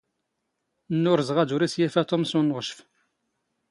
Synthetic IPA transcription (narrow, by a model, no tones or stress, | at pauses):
nːʊɾzəʁæd̪uɾisjæfæt̪ˤomsunʁəʃf